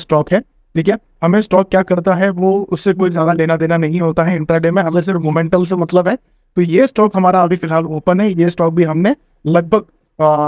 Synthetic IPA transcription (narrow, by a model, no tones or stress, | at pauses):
sʈɔːkɦɛː | ʈʰiːkie | hɐmẽsʈɔːkːjaːkɐɾt̪aɦɛʋoʊsːekoːizjaːd̪aleːnad̪eːnanɐɦĩɦoːt̪aɦɛɪ̃ɳʈɾaɖeːmẽɦɐles̬ɪɾmoːmɛ̃ɳʈəls̬emɐt̪ləbɦɛː | t̪ojesʈɔːkɦɐmaːɾaːbʱifɪlɦaːloːpənɦɛjesʈɔːk̚bʱiɦɐmne | lɐɡ̚bʱəɡ̚